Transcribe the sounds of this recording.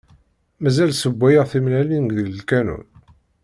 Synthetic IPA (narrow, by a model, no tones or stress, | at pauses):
mæzælsəbʷːæjəʁθimnælinɡðələlkænṵn